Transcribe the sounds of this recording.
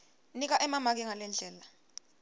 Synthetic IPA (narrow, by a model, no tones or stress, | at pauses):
nik̬aʔɛmamak̬iŋalɛnd͡ɮʱɛːla